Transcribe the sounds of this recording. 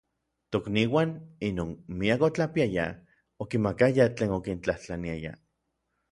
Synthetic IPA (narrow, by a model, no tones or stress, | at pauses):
t̪okniːwaːninoːnmiakot͡ɬapiaja̰ | okimakajat͡ɬeːnokint͡ɬaht͡ɬaniaja̰